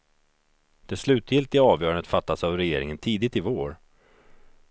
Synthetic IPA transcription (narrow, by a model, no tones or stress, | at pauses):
d̪̥ɛslʉ̟ːt̪jɪlt̪ɪɡɑːvjœːɾand̪ət̪fat̪ːasavɾɛjeːɾɪŋənt̪ʰiːd̪ɪt̪ɪvoːɾ